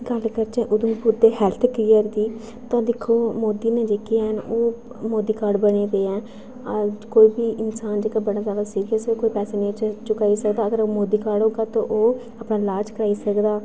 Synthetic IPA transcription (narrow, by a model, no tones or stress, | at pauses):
ɡəlkəɾt͡ʃẽːʔʊd̪ə̃ːpʊɾd̪eːɦɛːlt̪ʰklɪːəɾd̪iː | t̪ãːd̪ɪkʰːoːmoːd̪iːnẽːd͡ʒeːkiaɦənoː | moːd̪iːkaːɖbəɽeːd̪eːɛ̃ː | koːiːbiːʔɪnsaːnd͡ʒeːkaːbəɽaːzjaːd̪aːsiːɾijəsekoːiːpɛːseːnẽːt͡ʃt͡ʃʊkaːisəkd̪aːəɡəɾoːmoːd̪iːkaːɖɦoːɡaːt̪õːʔoː | əpnaːlaːt͡ʃkəɾaːiːsəkd̪aː